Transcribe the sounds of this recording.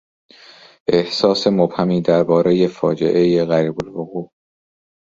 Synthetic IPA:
ʔe̞hsɒːse̞mob̥hæmiːd̪æɾbɒːɾe̞je̞fɒːd͡ʒe̞̰ʔe̞jeɣæɾiːbolvoɣuː

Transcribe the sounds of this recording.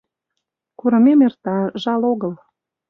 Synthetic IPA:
kuɾə̆memert̪ɑʒɑloɣəl

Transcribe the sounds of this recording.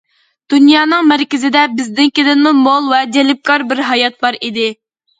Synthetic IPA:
d̪̥unjɑːnɨŋmæɾkʲɪzɪd̪ɛbɪzd̪ɪnkʲid̪ɪnmumolˠwɛd͡ʒ̪ɛlɪp̚kʰɑɾbɪɾɦɑjɑt̪̚bɑɾid̪ɪ

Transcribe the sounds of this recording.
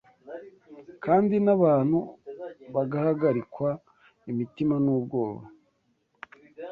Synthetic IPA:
kaːndinaβaːn̥huβaɡahaɡaɾikwa | imitimanuːb̚ɡo̞ːβa̰

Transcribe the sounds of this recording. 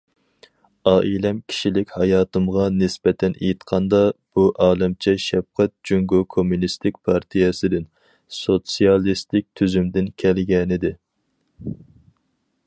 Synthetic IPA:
ɑːʔilɛmkʲʰi̥ʃilɪkʲhɑjɑːt̪ɨmʁɑnɪsbɛt̪ʰɛnʔejit̪qʰɑnd̪ɑb̥uʔɑːlˠɪmt͡ʃʰɛʃɛbqɛt̪̚d͡ʒyŋɡokʰomunist̪ʰɪk̚ʲpʰɑɾt̪ʰijɛsɪd̪ɪn | sot̪sijɑlˠist̪ɪk̚ʲt̪ʰyzymd̪ɪnkʲʰɛlɡʲɛnɪd̪ɪ

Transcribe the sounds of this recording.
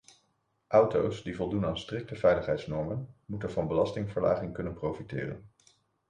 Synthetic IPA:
ʔʌwtowsdivɔlˠdunaːnstrɪk̚təvɛjləχɦɛjtsnɔɹmənmutənvɑnbəlɑstɪŋvəɹla̰ːχɪŋkɵnənprowfitɪ̰ːrə̰n

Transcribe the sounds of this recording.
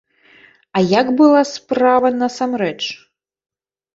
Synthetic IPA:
ɐjaɡbɨlˠaspɾavɐnɐsamɾɛt͡ʂ

